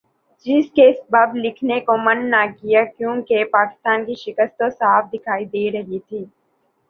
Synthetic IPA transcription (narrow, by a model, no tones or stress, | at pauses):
d͡ʒɪskeɪsbaːblɪkʰnekomɐnːakijakjũːkepaːkɪ̥st̪aːnkiʃɪkəst̪osaːfʰd̪ɪkʰaːid̪eːɾɐɦit̪ʰiː